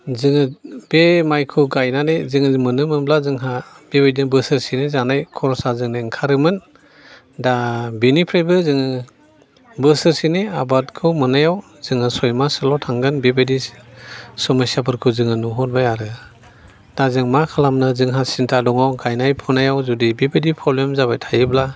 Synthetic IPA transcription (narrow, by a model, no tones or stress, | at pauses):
zɯŋɯbemajkʰɯɡajnanejzɯŋɯmɯnɯmɯblazɯŋɦa | b̥ebejdinbɯsɯɾsinizanajkʰɔɾɔsazɯŋneŋkʰaɾɯmɯn | dabinipʰɾebɯzɯŋɯ | bɯsɯɾsineabat̚kʰɯwmɯnajaw | z̥ɯŋɯsɔjmasɯlɔtʰaŋɡɯnbibadi | sɔmasiapʰɯɾkʰɯzɯŋɯnuɦɔt̚bajaɾɯ | d̥azɯŋmakʰalamnɯzɯŋɦasintʰadɔŋawɡajnajpʰunajawzudibibadipʰɾɔblemzabajtʰajɯbla